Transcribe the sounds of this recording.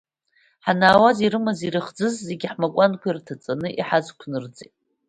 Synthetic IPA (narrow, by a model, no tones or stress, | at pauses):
ħanaːwaziɾɨmaziɾɨχd͡zɨzːeɡʲɪħmakʷʼankʷirtʰat͡sʼanɨʔiħazkʷʰnɨrd͡zʼḛtʼ